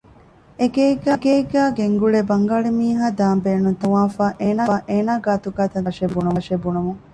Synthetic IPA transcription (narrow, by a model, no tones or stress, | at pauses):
eɡeːɡæːɡeːɡæːɡeŋɡuɭeːbɐŋɡaːɭemiːɦaːd̪aːmbeːnunt̪uʋaːfaːʔeːnaːʔeːnaːɡaːt̪uɡaːt̪ɐʃebunuʂebunumuŋ